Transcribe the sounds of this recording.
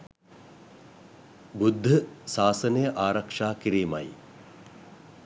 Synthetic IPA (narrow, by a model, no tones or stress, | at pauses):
bud̪ʱːəsaːsɐnəjəʔaːɾɐkʂaːkiɾiːmɐ̰j